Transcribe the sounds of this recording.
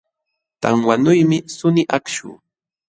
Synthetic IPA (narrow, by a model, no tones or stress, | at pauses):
t̪a̰ŋwanʊjmɪsʊnɪʔakʃʊ̰ː